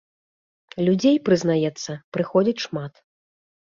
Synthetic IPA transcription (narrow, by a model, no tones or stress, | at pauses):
lʲud͡zʲejpɾɨznajɛt̪sːɐpɾɨxɔd͡zʲit͡sʲʂmat̪